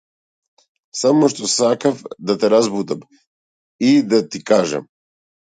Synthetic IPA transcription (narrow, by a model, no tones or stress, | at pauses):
samɔʃt̪ɔsakafd̪at̪ɛɾazbud̪am | id̪at̪ikaʒa̰m